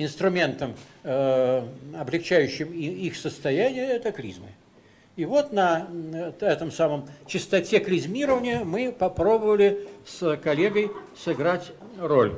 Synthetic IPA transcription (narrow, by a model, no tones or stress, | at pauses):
ɪnst̪ɾʊmʲe̞nt̪əm | ɐblʲɪxt͡ɕæjʉɕːɪmiixsəst̪ɐjænʲɪjəɛt̪ɐklʲḭzmɨ | ivo̞t̪nɐ | ɛt̪əmsaməmt͡ɕɪst̪ɐtʲeklʲɪzʲmʲiɾəvənʲɪjəmɨpɐpɾo̞bəvəlʲɪskɐlʲeɡəjsɨɡɾatʲ | ro̞̰lʲ